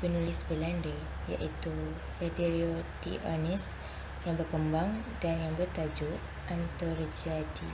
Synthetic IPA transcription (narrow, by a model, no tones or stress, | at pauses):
pənulisbəlandə | ja̰ʔit̪u | fedeɾiotḭʔa̰nis | jaŋbərkəmbaŋdanjaŋbərt̪ad͡ʒuʔ | ʔant̪orəd͡ʒadi